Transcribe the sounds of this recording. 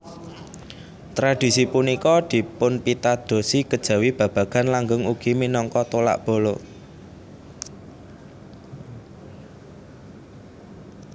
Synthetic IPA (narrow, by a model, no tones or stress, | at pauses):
t̪ɾad̪̥i̤sipunikɔd̪̥i̤pʊnpit̪ad̪̥o̤siɡ̥əd̥ʒ̥ä̤wib̥ä̤b̥ä̤ɡ̥ä̤nlaŋɡʊŋuɡ̥iminɔŋkɔt̪ola̰ʔb̥o̤lo